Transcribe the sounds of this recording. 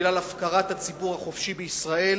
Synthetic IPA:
lalafkaʁat̪hat͡sibuʁhaχo̞fʃibeisʁae̞l

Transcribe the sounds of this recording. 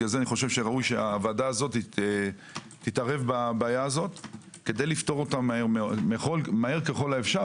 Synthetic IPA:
azeaniχo̞ʃe̞vʃeʁaujʃeaːvadaːzo̞tie | titaʁe̞vbabaːjaːzo̞t̪ | ke̞d̪ejlifto̞ʁo̞t̪amaeʁmemeχolmaheʁkeχo̞laefʃa

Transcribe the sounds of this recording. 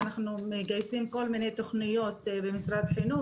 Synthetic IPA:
naχnumeɡajsimko̞lminejt̪o̞χnijo̞tt̪bemisɾad̪ħinu

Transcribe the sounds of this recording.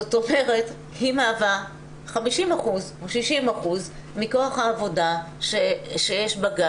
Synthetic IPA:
zoto̞me̞ʁe̞t | himaːva | χamiʃimaχuzoʃiʃimaχuz | miko̞aχhaːvo̞da | ʃeʃe̞jeʃbaɡa

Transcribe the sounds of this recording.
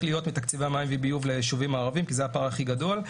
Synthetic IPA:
lijo̞t̪mit̪akt͡sivamajmvibijuvleʃuvimaːʁavimkizejapaʁaχiɡado̞l

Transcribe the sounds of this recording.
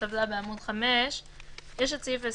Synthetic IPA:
avdabeamud̪χamɛʃ | jeʃ̬at͡sife

